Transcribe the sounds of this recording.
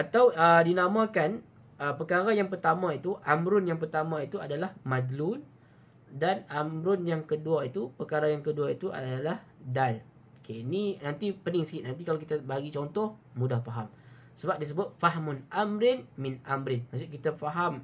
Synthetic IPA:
ʔat̪awədinamãkan | əpəkaɾajaŋpərt̪amãit̪uʔamɾʊnjaŋpərt̪amãit̪uadalahmadlʊn | danamɾʊnjaŋkəduait̪upəkaɾajaŋkəduait̪uʔa̰dalah | dal | keininant̪ipənɪŋsə̥kɪʔ̪̚nãnt̪̬ikalakit̪abaɡit͡ʃɔnt̪ɔh | mũdahfaɦam | səbap̚dis̬əbʊt̪̚faɦmʊnamɾɪnmɪnamɾɪnmas̬uʔkit̪afaɦam

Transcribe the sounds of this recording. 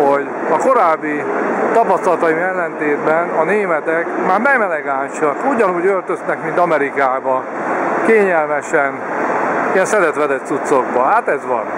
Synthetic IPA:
ho̞ɟ | ɒko̞ɾaːbːit̪ɒpɒst̪ɒlt̪ɒimɛlːɛnt̪eːd̪bɛnɒneːmɛt̪ɛkmaːrmɛɡmɛlɛɡaːnʃɒkuɟɒnuːɟølt̪ø̞znɛkmint̪ɒmɛɾikaːbɒ | keːɲɛlmɛʃɛn | ijɛnsɛd̪ɛt̪ʋɛd̪ɛt̪sut̪so̞ɡbɒɦaːt̪ɛzʋɒ̰n

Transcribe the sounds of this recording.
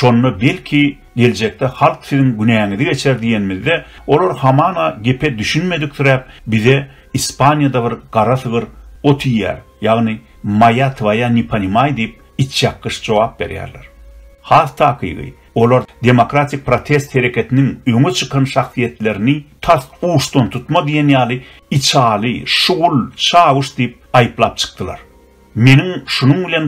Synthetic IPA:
ʃo̞nːɑbe̞lkʰi | ɡe̞ld͡ʒe̞k̚t̪ʰehɑlˠqθiðiŋɡynæːŋiðiɡe̞t͡ʃʰeɾd̪ije̞nmiðːe | o̞lˠoɾhɑmɑːnɑɡe̞pʰe̞d̪yʃynme̞d̪ik̚θyɾæːp̚biðe̞ | ispɑnʲjɑd̪ɑβiɾɢ̥ɑɾɑθɯʁɯɾo̞t̪ʰijːæ̰ːɾ | jɑʁnɨ | mɑjɑt̪ʰvɑjɑnipʰɑnimɑjd̪ijp̚ | it͡ʃʰjɑqːɯʃd͡ʒo̞wɑːp̚be̞̰ɾjæ̰ːɾleɾ | hɑːθt̪ʰɑːqʰɯ̰jʁɯ̰ | o̞lˠoɾd̪e̞mokɾat̪ʰʲik̚pɾot̪ʰe̞st̪he̞ɾe̞kʲʰe̞t̪ʰiniŋø̞ŋet͡ʃʰɯ̥qʰɑnʃɑχθije̞t̪le̞ɾnit̪ʰɑθuːʃt̪ont̪ʰut̪mɑd̪ijenjɑːlˠɯ | it͡ʃʰɑːlˠɯʃuʁulˠt͡ʃʰɑːwɯʃd̪ijp̚ɑjɯplˠɑːp̚t͡ʃʰɯ̥q̚t̪ɯlˠɑ̰ɾ | me̞niŋʃunuŋbilʲe̞n

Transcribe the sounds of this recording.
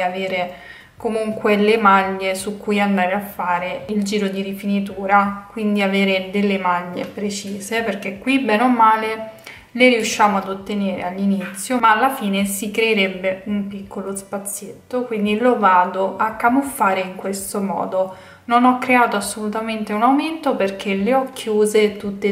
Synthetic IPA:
aveːɾe | komuŋkwelemaʎːesukːujand̪aːɾeafːaːɾeild͡ʒiːɾod̪iɾifinit̪̬uːɾakwind̪iaveːɾed̪elːemaʎːḛpɾet͡ʃiːzeperkekːwibɛnomːaːle | leɾiuʃːaːmoad̪ot̪ːeneːɾḛalːinit̪sːjomaːlːafiːnesikɾeːɾɛbːeumpikʰːolospat̪sːjett̪ːokwind̪ilovaːd̪oʔakːamufːaːɾeiŋkwest̪omɔ̰ːd̪o | nonɔkːɾeaːt̪oasːolut̪ament̪eunawment̪operk̟eleɔkʰːjuːzet̪ut̪ːe

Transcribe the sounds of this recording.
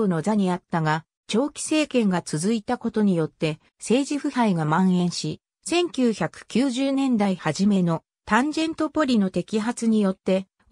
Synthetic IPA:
no̞zaɲ̟iat̪ːaɡa | t͡ɕo̞ːkʲi̥se̞ːkẽ̞ŋɡat͡sɨzɨit̪ako̞t̪o̞ɲ̟ijo̞t̪ːe̞ | se̞ːʑiɸɯ̟haiɡamãɰ̃ẽ̞ɰ̃ɕi | sẽ̞ŋkʲɨːçakɯ̟̥kʲɨːʑɨːnẽ̞nd̪aihaʑime̞no̞ | t̪ãɲd͡ʑẽ̞nt̪o̞po̞ɾʲino̞t̪e̞kʲiɦat͡sɨɲ̟ijo̞t̪ːe̞

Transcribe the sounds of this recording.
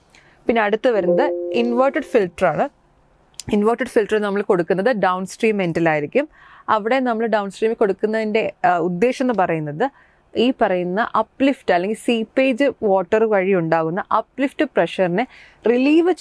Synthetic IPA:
pinːeɐɽut̪ːɨʋɐɾunːɐðɨinʋɐːʈɨɖfilʈɐraːɳɨ | inʋɐːʈiɖfilʈɐrenɐmːɐɭko̞ɽukːunːɐðɨɖɐwnsʈriːmːendɐlaːjiɾikʲːum | ɐʋiɽe̞nɐmːɐɭɖɐwnsʈriːmekːo̞ɽukːunːɐðinde̞ud̪ːe̞ːɕɐenːɨpɐrɐjunːɐðɨ | iːpɐrɐjunːɐʔɐpːliftɨɐlːeŋɡilsiːpːeːd͡ʑɨʋo̞ːʈːɐrʋɐɻiuɳɖaːɣunːɐʔɐpːlifʈɨpreʂɐrinɨ | riliːʋɨ

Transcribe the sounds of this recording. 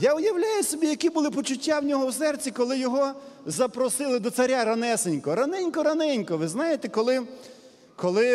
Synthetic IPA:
jaʊjɐwlʲajʊsʲɔbʲijɐkibʊlˠɪpɔt͡ʃʊtʲːawnʲɔɦɔwsɛrt͡sʲikɔlˠɪjɔɦɔzɐpɾɔsɪlˠɪd̪ɔsɐɾʲaɾɐnɛsenʲkɔɾɐnɪnʲkɔɾɐnɪnʲkɔʋɪznɑjet̪ɛkɔlˠɪ | kɔlˠɪ

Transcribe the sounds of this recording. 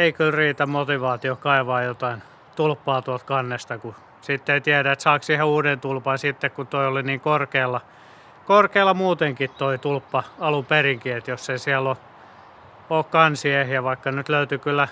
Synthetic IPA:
eikylriːt̪æmmot̪iʋɑːt̪iokɑiʋɑːjot̪ɑin | t̪ulpːɑːt̪uɑlt̪kɑnːest̪ɑku | sit̪ːeit̪iæɾæet̪sɑːksiheuːdent̪ulpɑnsit̪ːekkut̪oioliniːŋkorkeːlːɑ | korkeːlːɑmuːt̪eŋkit̪t̪oit̪ulpːɑɑlumperiŋkiet̪josseisiælːo | oːkkɑnsiehjæʋɑikːɑnyt̪løyt̪ykylːˑæ

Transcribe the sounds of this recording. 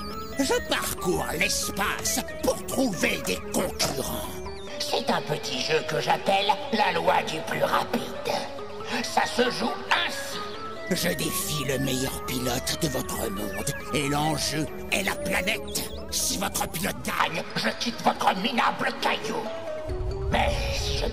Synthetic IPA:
ʒəpaʁkuʁlɛspas | puʁt̪χuved̪ekɔ̃kʰyʁɑ̃ | sɛt̪ɛ̃pət̪ʰiʒøkəʒapɛlːalwad̪yplyʁapid̪ | sasəʒuɛ̃si | ʒəd̪efiləmɛjœʁpilɔt̪d̪əvɔt̪χəmɔ̃d̪ | elɑ̃ʒø | ɛlaplanɛt̪ | sivɔt̪χəpilɔt̪̚ɡa̰ɲʒəkʲit̪vɔt̪χəmina̰bləkajo | mɛsiʒə̰

